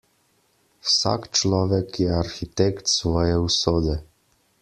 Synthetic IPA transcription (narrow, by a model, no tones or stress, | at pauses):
wsa̰kt͡ʃlɔːʋɛkjɛaɾxit̪ɛkt̪sʋɔːjɛusoːd̪ɛ